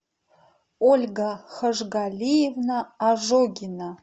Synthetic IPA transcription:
olʲɡaχɐʐɡalʲijevnaːʐoɡʲina

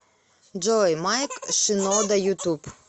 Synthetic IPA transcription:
d͡ʒɔjmɑjkʃɪnɔd̪ɐjut̪up

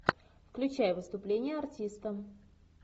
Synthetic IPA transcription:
fklʲʉt͡ɕæjəvɨst̪ʊplʲenʲɪjəɐrtʲist̪əm

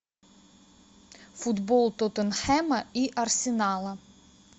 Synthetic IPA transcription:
fud̪bolˠt̪ot̪ənxɛmɐiʔɐrsʲɪnalˠɐ

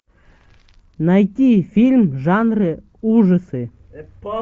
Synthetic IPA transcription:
nɐjtʲifʲilʲmʐanrɨ | uʐəsɨ

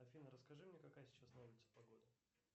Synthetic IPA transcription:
ɐfʲinəɾəskɐʐɨmnʲekɐkajəsʲɪ̥t͡ɕasnɐulʲɪt̪sə̥pɐɡo̞d̪ɪ

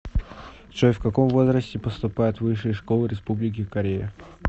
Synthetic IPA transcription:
t͡ʃofkɐko̞mvo̞zɾəsʲtʲɪpəst̪ʊpajɪt̪vɨʂɨjʂkolˠɨɾʲɪspublʲɪk̬ʲɪkɐɾʲejə

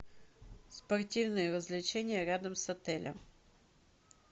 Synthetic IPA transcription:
spɐrtʲivnɨjəɾəzlʲɪt͡ɕenʲɪjəɾʲad̪əmsɐt̪ɛlʲʔə̰m

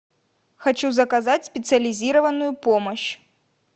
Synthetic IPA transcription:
xat͡ʃuzɐkazat͡sʲsʲpʲɛt̪sɨɐlʲizʲiɾɐvɐnujupɔmɐɕ

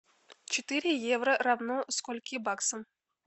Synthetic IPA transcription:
t͡ɕɪt̪ɨɾʲɪjevrəravnoskolʲkʲibɑksəm

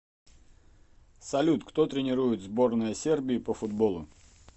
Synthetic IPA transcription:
sɐlʲut̪kt̪ot̪ɾʲɪnʲɪɾujɪt̪zbo̞rnəjəsʲe̞rbʲɪːpəfʊd̪bo̞lˠʊ

